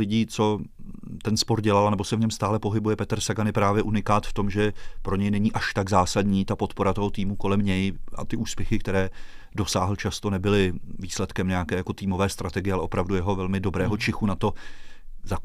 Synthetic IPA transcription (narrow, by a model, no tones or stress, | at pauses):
lɪɟiːt͡so̞t̪ɛnspo̞ɾɟɛlalanɛbo̞sɛvɲɛmst̪aːlɛpo̞ɦɪbujɛpɛt̪ɾsaɡanɪpɾaːvjɛʔunɪkaːt̪ft̪o̞mʒɛpɾo̞ɲɛjnɛɲiːʔaʃt̪aɡzaːsadɲiːt̪apo̞t̪po̞ɾat̪oɦo̞t̪iːmuko̞lɛmɲɛjʔa̰t̪ɪʔuːspjɛxɪk̚t̪ɛɾɛː | do̞saːɦl̩t͡ʃast̪o̞nɛbɪlɪviːslɛt̪kɛmɲɛakɛːjako̞t̪iːmo̞vɛːst̪ɾat̪ɛɡɪjɛalɛʔo̞pɾavdujɛɦo̞vɛlmɪdo̞bɾɛːɦot͡ʃɪxunat̪o̞ | zak